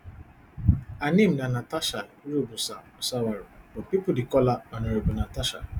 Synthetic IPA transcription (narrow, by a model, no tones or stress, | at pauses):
anẽm̩nanataʃaɾubusaɔsawaɾubɔpipʊdikɔlaɔneɾebunataʃa̰